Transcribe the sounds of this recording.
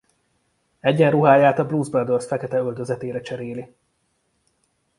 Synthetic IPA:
ɛɟːɛnruɦaːjaːt̪ɒbluːzbɛld̪ørsfɛkɛt̪ɛøld̪øzɛt̪eːɾɛt͡ʃɛɾeːli

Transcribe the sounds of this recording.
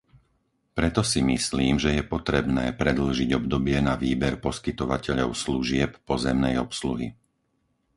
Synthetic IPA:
pɾɛt̪ɔsimisliːmʒɛjɛpɔt̪ɾɛbnɛːpɾɛd̪l̩ʒiɟɔbd̪ɔbɪɛnaʋiːbɛɾpɔskit̪ɔʋacɛʎɔʊsluʒɪɛppɔzɛmnɛjɔpsluɦḭ

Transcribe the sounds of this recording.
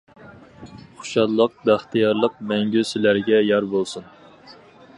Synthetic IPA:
χʊ̥ʃɑllˠəq̚bæχt̪ijɑɾlˠəq̚mɛŋɡʲysɪlæɾɡʲɛjɑɾbolˠsun

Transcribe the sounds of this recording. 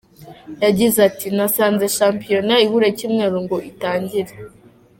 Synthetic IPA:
jaɟizatinasaːnze̞ʃaːmpijo̞naiβuɾecimŋe̞ːɾuŋɡoʔitaːɲɟiɾe

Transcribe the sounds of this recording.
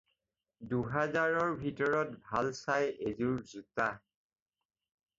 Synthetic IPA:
duɦɛzaɹɔɹbʱitɔɹɔtbʱalsajezuɹzuta

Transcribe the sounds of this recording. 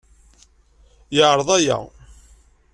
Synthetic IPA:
jəʕɾˤəðˤæjæ̰

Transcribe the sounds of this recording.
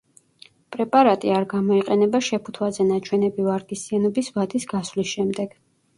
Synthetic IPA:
pʼɾɛpʼaɾat̪ʼiaɾɡamɔiqʼɛnɛbaʃɛpʰu̥t̪ʰwazɛnat͡ʃʰwɛnɛbivaɾɡʼisianɔbisvad̪isɡaslisʃɛmd̪ɛɡ̥

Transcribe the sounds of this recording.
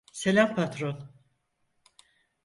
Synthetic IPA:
selʲæmpʰat̪ɾon

